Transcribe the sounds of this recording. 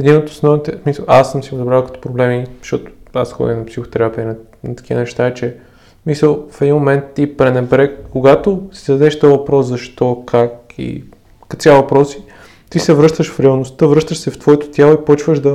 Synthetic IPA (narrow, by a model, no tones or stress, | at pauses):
ɛd̪inot̪o̥snɔvt̪ɛsmisəlˠa̰sːəmsiod̪bɾalˠkə̥t̪o̥pɾoblɛmizʃt̪ɔt̪ʊ̥a̰sxɔ̰d̪ʲinɐpsixo̥t̪ɛɾapinɛ | nɐt̪ɐ̥kʲiə̰nɛʃt̪aɛt͡ʃɛ | misəlˠfɛd̪inmomɛnt̪ːipɾɛnɛbɾɛkoɡat̪osi̥d̪ɐd̪ɛʃt̪ɔvɐpɾɔszɐʃt̪ɔkʰakḭ | kɐt̪siavɐpɾɔsi̥ | t̪isɛvɾɤʃt̪əʃfɾiɐlˠnost̪əvɾɤʃt̪əʃsɛft̪vɔɛt̪o̥t̪ʲjalˠoipɔt͡ʃvəʃd̪ɐ